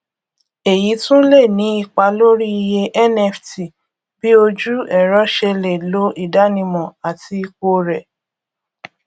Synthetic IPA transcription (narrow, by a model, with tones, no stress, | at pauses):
e˨ji˨˦tũ˦le˦˨nĩ˨˦i˧k͡pa˧lo˦ɾi˦i˧je˧ʔɛ˦nɛ˧fti˨ | b̥i˨˦o˧d͡ʒu˦ɛ˦˨ɾɔ˨˦ʃe˧le˨lo˨˦ʔi˦˨da˨˦nĩ˧mɔ̃˨a˨tʰi˧i˧ko˧ɾɛ˨